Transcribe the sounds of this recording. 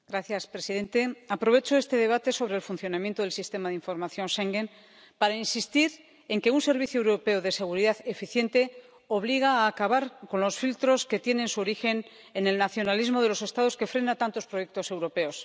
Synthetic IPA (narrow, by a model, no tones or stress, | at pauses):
ɡ̥ɾaθjaspɾe̞siðe̞nt̪e̞apɾo̞βe̞t͡ʃo̞e̞st̪e̞ðe̞β̞at̪e̞so̞βɾe̞ːlfunθjo̞namjent̪oð̞e̞lsist̪e̞maðiɱfo̞ɾmaθjo̞nʃeŋɡe̞n | paɾainsist̪iɾ | e̞ŋke̞unse̞ɾβiθjoe̞wɾope̞oðe̞se̞ɣuɾiðaθefiθje̞nt̪e̞ | o̞β̞liɣ̞aːkaβaɾko̞nlo̞sfilt̪ɾo̞ske̞t̪je̞nẽ̞nsuoɾixe̞n | ene̞lnaθjo̞nalizmo̞ð̞elo̞se̞st̪aðo̞ske̞fɾe̞nat̪ant̪o̞spɾo̞je̞k̚t̪o̞se̞wɾo̞pe̞os